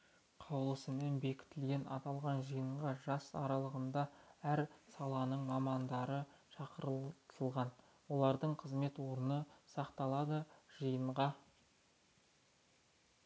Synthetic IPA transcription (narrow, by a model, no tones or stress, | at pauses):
qʰɑwlˠəsəme̞nbe̞kʲɪ̥t̪ɪlɡʲe̞nɑ̰t̪ɑlˠʁɑnʒəjəɴʁɑʒɑsɑ̰ɾɑlˠəʁənd̪ɑæɾsɑlˠɑnəɴmɑmɑnd̪ɑɾəʃɑqəɾət̪ʰəlˠʁɑn | wo̞lˠɑɾd̪əɴqʰəzme̞t̪wo̞ɾənəsɑqt̪ɑlˠɑd̪əʒ̥əjəɴʁɑ